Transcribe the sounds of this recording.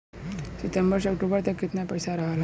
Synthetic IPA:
sit̪əmbəɾɕ̬əkʈubəɾt̪əkːet̪njapəjsaɾaɦala

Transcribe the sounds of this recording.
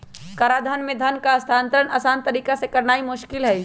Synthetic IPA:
kɐɾad̪ʱɐnmẽd̪ʱɐnkaɐst̪ʰaːnt̪əɾənasaːnt̪ɐɾiːkasekɐɾnaːimʊʃkɪlɦɛ

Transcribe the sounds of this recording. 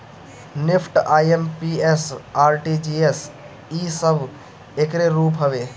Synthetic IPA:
nɪpʰʈaːjempiesaːɾʈid͡ʒies | isəbʱ | ekɾeɾuːpɦəʋe

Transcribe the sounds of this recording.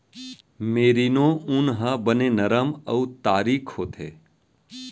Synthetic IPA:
meːɾinõʊnɦəbənenɐɾəməut̪aːɾiːkʰhoːt̪ʰḛː

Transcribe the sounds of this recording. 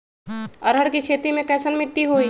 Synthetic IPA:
ɐɾɦəɽkikʰeːt̪imẽkɛːsənmɪʈːiɦoiː

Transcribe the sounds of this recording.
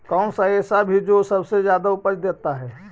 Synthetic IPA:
kɔːnsaeːsabʱid͡ʒoːsɐbsezjaːd̪aʊpət͡ʃd̪eːt̪aɦɛː

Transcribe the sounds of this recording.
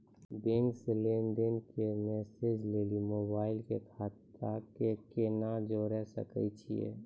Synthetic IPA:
bẽŋkseleːnɖenkemɛːsed͡ʒleːlimoːbaːɪlkekʰaːt̪akekenad͡ʒoɾɛɦsə̰kə̰t͡ʃʰiḛː

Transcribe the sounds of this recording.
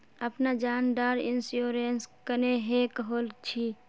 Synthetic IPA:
əpnad͡ʒaːnɖ̪aːɾɪnsjoːɾenskəneɦekəɦolt͡ʃʰi

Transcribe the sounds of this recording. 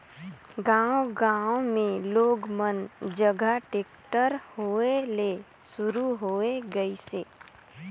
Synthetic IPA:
ɡãːwoɡãːmẽloːɡmənd͡ʒəɡʱaʈeːkʈəɾhoːele | sʊɾuɦoːeɡəiseː

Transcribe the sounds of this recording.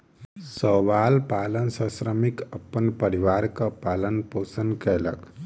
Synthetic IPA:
sɔːʋaːlpaːlənsə̃sɾəmikəpːənpəɾiʋaːɾkapaːlənpoːsənkɛlə̰k

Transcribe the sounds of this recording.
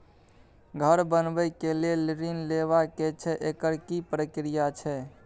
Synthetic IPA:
ɡʱəɾbənbəjkelieliɾinleʋaket͡ʃʰɛʔekəɾkipɾəkɾijat͡ʃʰɛ

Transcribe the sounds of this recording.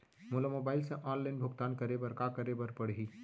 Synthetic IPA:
mʊləmoːbaːɪlseʔãːnlaɪnbʱʊɡt̪aːnkɐɾebəɾkakɐɾebəɾpɐɽɦiː

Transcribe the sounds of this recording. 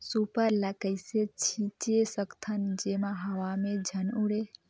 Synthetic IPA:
supəɾləkəjset͡ʃʰit͡ʃesəkt̪ʰənd͡ʒemaɦəwamed͡ʒʱənuɽe

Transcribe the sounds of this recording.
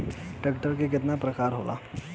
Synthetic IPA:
ʈekʈəɾk̬ek̬ɪt̪napɾəkaːɾɦoːlʔa̰

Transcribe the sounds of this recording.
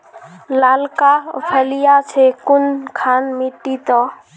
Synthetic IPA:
lalka̰pʰɛlijat͡ʃʰekunkʰanmiʈːit̪ɔ

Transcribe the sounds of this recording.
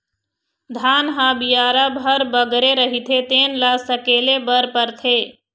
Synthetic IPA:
d̪ʱaːnɦãbijaːɾabʱəɾbəɡɾeɾəɦit̪ʰet̪eːnlasəkeːlebəɾpəɾt̪ʰeː

